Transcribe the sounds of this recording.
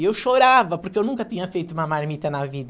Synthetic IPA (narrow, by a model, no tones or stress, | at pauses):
ewʃoɾavɐpuɾkewnũŋkɐt̪iɲɐfejt̪uumɐmaɾmit̪ɐnaviðɐ